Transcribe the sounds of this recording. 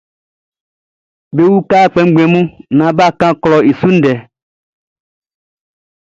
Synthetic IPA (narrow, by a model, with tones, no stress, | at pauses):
be˦wu˦ka˦k͡pɛ˨ŋ̩˦ɡ͡bɛ̃˨mũ˦nã˨ba˦kã˦klɔ˨e˨su˦n̩˦ɖɛ˨